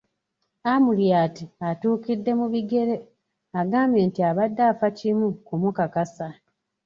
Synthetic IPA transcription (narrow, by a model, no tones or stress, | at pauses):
amuljaːtiatuːkidːe̞muβiɡe̞ɾe | aɡaːmbje̞ːntiaβadːaːfacimukumukakasa